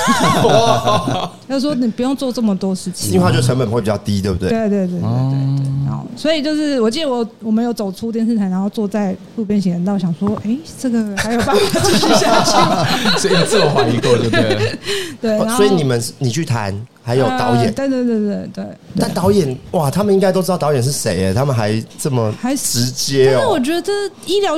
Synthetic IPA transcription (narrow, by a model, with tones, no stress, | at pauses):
jʊswɔ˥ni˨˩pu˧˥jo˥˧ŋt͡swɔ˥˧ʈ͡ʂə˥˩mə˨˩t̪wɔ˥ʂɻ̩˥˩t͡ɕʰi̥˨i̥˩i˥˧˥a˥˧t͡ɕo˥˩ə˧˥ŋpə˨˩nxwe˥˩pi˨˩t͡ɕɑ˥˩ʊt̪i˦˥t̪we˥˩bu˥t̪e˥˧we˥˧ɪt̪we˥˧ɪt̪̬we˥˩ɪ˨t̪e˥˩t̪wḛ˥˩e˥˩na̰˧˥ŋo̰˥˧˩swɔ˧˥i˨˩t͡ɕjo˥˧ʊʂɻ̩˥˩wɔ˨˩t͡ɕi˥d̪ə˧wɔ˨wɔ˨˩mə˦jo˧˥ʊt͡so˨˩ʊʈ͡ʂʰu˥t̪̬jɛ˥˧nʂ̬̩˥˩tʰa˧˥na˧˥nxo˥˧ʊt͡swɔ˥˧t͡sa˥˧ɪfu˥˧pjɛ˥nɕ̬i˧˥ŋɻə˧˥nt̪ɑ˥˩ɕjɑ˨˩ŋswɔ˥ʔe˥˩ɪʈ͡ʂə˥˩ɡə˨˩ha˧ɪjo˨˩ʊpa˥˧nfa˨˩˧i˥ɕja˥˩t͡ɕʰi˥st͡s̩˥˧xwa˥˧i˧˥kɔ˥˧˩ | t̪we˥˩n˥a˧˦sxwɔ˧˥i˨˦ni˨˩mə˦n˥ni˨˩t͡ɕʰy˥˩t̪ʰa̰˧˦nxa˧˦ɪjo˨˩ʊɑ˧˦ʊjɛ˨nwe˥˧ɪt̪we˥˧t̪we˥˧t̪we˥˩ɪt̪we˥˩ɪt̪a˥˩nt̪ɑ˧˦˥ʊjɛ˨˩nwa˨˩t̪ʰa˥mə˨ni˥ŋka˥ɪo˥ɻ̩˥ɑ˥˩t̪ʊjɛ˨˩nʂɻ̩˥˩ʂḛ˧˦ɪɐ˨t̪ʰa˥mə˨nxa˧˥˦ɪʈ͡ʂə˥˩mə˩xa˧˦ɪʈ͡ʂɻ̩˧˥t͡ɕjɛ˦˥˩wɔ˨˩t͡ɕɥɛ˧˥ə˧ʈ͡ʂɤ˥˩˥i˥˩ljɑ˧˥